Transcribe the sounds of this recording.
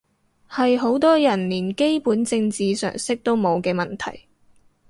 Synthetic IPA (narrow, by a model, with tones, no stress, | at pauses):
hɐ˨jɦo˨˥wt̪ɔː˥jɐ˨˩nliː˨˩nke˥jpuː˨˥nt͡sɪ˧ŋt͡siː˨sœ̰ː˨˩ŋsɪ˥k̚t̪o˥wmo˨˧wkɛː˧mɐ˨nt̪ʰɐ̰˨˩j